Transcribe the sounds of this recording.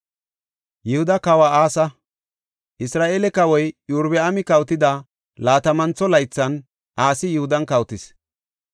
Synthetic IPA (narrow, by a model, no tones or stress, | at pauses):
jɪhʊd̪ɐkɐwaaːsɐ | ʔɪsɾaːʔelɛkɐwɔjjuɾbɛɐmɪkɐwt̪ɪd̪ɐ | laːt̪ɐmɐnt͡sɔlɐjt͡sːɐn | ʔaːsɪjɪhʊd̪ɐnkɐwt̪ɪs